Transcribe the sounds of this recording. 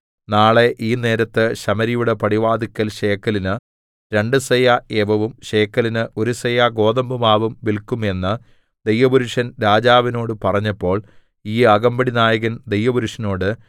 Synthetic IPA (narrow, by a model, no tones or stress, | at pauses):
naːɭe̞ʔiːne̞ːɾɐt̪ːɨɕɐmɐɾijuɽe̞pɐɽiʋaːd̪ikʲːɐlɕe̞ːkːɐlinɨ | ɾe̞ɳɖɨsɐjaeːʋɐʋumɕeːkːɐlinɨʔo̞ɾusɐjaɡo̞ːðɐmbumaːʋumʋilkːume̞nːɨ | d̪e̞jʋɐbuɾuʂɐnɾaːd͡ʑaːʋino̞ːɽɨpɐrɐɲːɐpːo̞ːɭ | iːɐɣɐmbɐɽinaːjɐɣɐnd̪e̞jʋɐbuɾuʂɐno̞ːɽɨ